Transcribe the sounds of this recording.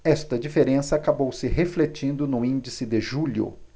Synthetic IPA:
ɛst̪ɐd͡ʒifeɾẽsɐakabowsɪɦeflet͡ʃĩnd̪ʊnʊĩnd͡ʒisɪd̪ɪʒuʎʊ̰

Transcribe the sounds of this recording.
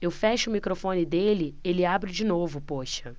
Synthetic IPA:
ewfɛʃʊʊmikɾofõnɪd̪elɪelɪabɾɪd͡ʒinovʊpoʃɐ

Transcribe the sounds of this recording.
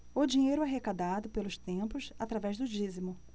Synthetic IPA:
ʊd͡ʒiɲejɾʊɛɦekad̪ad̪ʊpelʊst̪ẽpʊsat̪ɾavɛzd̪ʊd͡ʒizimʊ

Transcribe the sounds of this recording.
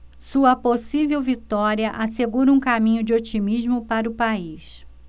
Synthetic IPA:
suɐposivewvit̪ɔɾiɐʔaseɡuɾɐũkamĩɲʊd͡ʒɪot͡ʃimiʒmʊpaɾɐʊpais

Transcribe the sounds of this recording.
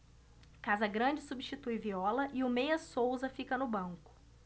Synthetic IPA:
kazɐɡɾɐ̃d͡ʒɪsubiʃt͡ʃit̪ujviɔlɐʔɪʊmejɐsowzɐfikɐnʊbɐ̃ŋkʊ̥

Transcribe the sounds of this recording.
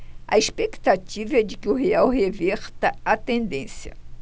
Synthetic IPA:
ɐ̰espekt̪at͡ʃivɐɛd͡ʒɪkɪʊɦeawɦevɛɾt̪ɐat̪ẽnd̪ẽsjɐ̰

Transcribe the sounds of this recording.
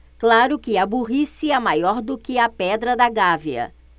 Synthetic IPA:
klaɾʊkɪɐbuɦisɪɛmajɔɾd̪ʊkɪɐpɛd̪ɾɐd̪ɐɡaviɐ̰

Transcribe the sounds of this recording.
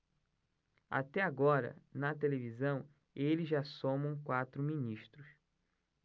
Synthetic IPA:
a̰t̪ɛaɡɔɾɐ̰nɐt̪elevizɐ̃w̃ | elɪzʒasõmɐ̃w̃kwat̪ɾʊminiʃt̪ɾʊs

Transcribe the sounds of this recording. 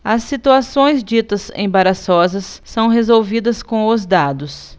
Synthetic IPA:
ɐsːit̪uasõj̃zd͡ʒit̪ɐsḛ̃baɾasɔzɐsːɐ̃w̃ɦezowvid̪ɐskõʊzd̪ad̪ʊs

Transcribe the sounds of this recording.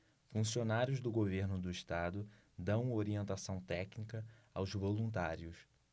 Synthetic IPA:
fũsionaɾjʊzd̪ʊɡoveɾnʊd̪ʊiʃt̪ad̪ʊ | d̪ɐ̃w̃oɾiẽnt̪asɐ̃w̃t̪ɛknikɐawzvolũnt̪̬aɾiʊs

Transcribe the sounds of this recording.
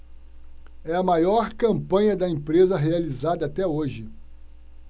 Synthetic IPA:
ɛɐmajɔɾkɐ̃mpɐ̃ɲɐd̪ɐẽpɾezɐɦealizad̪ɐat̪ɛoʒɪ

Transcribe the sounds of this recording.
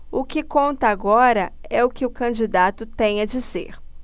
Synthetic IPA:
ʊkɪkõnt̪ɐaɡɔɾɐɛʊkɪʊkɐ̃d͡ʒid̪at̪ʊt̪ẽj̃ɐd͡ʒisḛɾ

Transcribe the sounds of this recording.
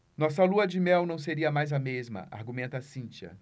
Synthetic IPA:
nɔsɐluɐd͡ʒɪmɛwnɐ̃w̃seɾiɐmajzɐmezmɐ̰ʔa̰ɾɡumẽnt̪ɐasĩnt͡ʃiɐ̰

